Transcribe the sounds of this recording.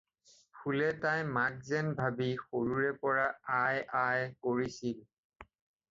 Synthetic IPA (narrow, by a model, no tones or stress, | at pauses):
pʰulɛtajmak̚zɛnbʱabixoɹuɹɛpɔɹaajajkoɹisil